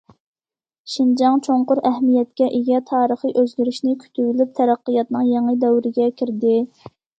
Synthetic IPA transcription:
ʃind͡ʒɑŋt͡ʃʰoɴqʊɾɛɦmijɛt̪̚kʲɛʔeɡʲɛt̪ʰɑːɾəχɨʔøzlʲyɾyʃnɪkʲʰy̥t̪ʰybylyp̚t̪ʰæɾæqːəjɑt̪nɨŋjɑŋəd̪ɛwɾɪɡʲɛkʲʰiɾd̪ɪ

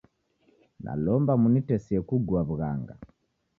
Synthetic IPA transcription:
na̰lɔmbamunitɛsiɛkuɡuaβuɣa̰ŋɡa̰

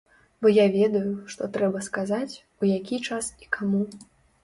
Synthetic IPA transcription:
bɔjavʲɛd̪ɐjuʂt̪ɔt̪ɾɛbɐskazat͡sʲ | ujakʲit͡ʂasi̥kʰamu

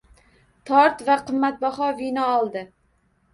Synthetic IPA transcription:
t̪ʰɒɾt̪vaqɨmːat̪̚bɒχɒvɪnɒːlˠd̪ɪ

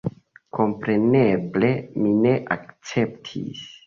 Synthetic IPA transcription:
kʰo̞mpɾe̞neble̞mine̞ʔak̚t͡se̞ptʰḭs

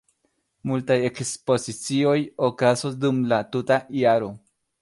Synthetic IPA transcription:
multajekspo̞sit͡sio̞jokasodumlatutaiaɾo

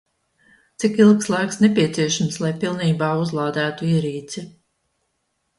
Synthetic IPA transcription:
t̪sikilˠkslˠajksnepiɛt̪siɛʃamslˠajpilˠniːbaːuzlˠaːd̪æːt̪uiːɾiːt̪si

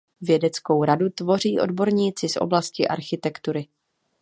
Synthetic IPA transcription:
vjɛdɛt͡sko̞wɾadut̪vo̞riːʔo̞̰dbo̞ɾɲiːt͡sɪsʔo̰blascɪʔa̰ɾxɪt̪ɛkt̪uɾɪ

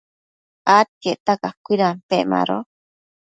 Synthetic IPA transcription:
at̪̚keʔt̪akakʷiɾampeʔma̰ɾo̰

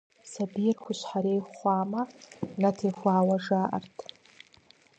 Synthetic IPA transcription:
sabijrχʷʊʃʷħaɾejχʷaːmanatʰejχʷaːwaʐaːʔa̰rtʰʼ

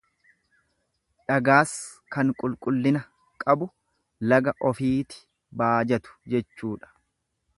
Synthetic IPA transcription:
ᶑɐɡaːskɐŋkʼʊlkʼʊlːɪnɐ | kʼɐbʊ | lɐɡɐʔɔfiːt̪ɪ̥ | baːd͡ʒɐt̪ʊ̥d͡ʒɛt͡ʃːuːᶑɐ̥

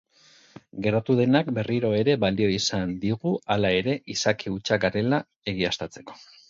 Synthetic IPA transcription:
ɡe̞ɾat̪uðe̞nakbe̞riɾo̞e̞ɾe̞βald̪io̞isand̪iɣualae̞ɾe̞ʔisakʰiut͡ʃaɡaɾe̞la | e̞ɣ̞iast̪at͡se̞̥ko̞̥

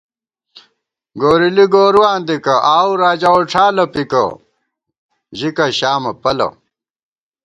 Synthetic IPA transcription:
ɡoːɾiliɡoːɾuwaːnd̪ikɐʔaːuɾaːd͡ʑaoʈ͡ʂʰaːlɐpikɐ̰ | ʑikɐɕaːmɐpɐlɐ̰

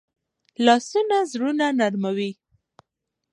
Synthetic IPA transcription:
lɑsunazɾunanaɾmawi

